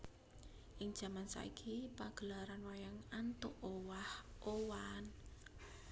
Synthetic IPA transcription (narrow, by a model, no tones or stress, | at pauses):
ʔɪŋd̥ʒ̥a̤mansa̰ḭɡ̥ʰipaɡ̥əlaɾanwajaŋant̪ʊʔowahʔowan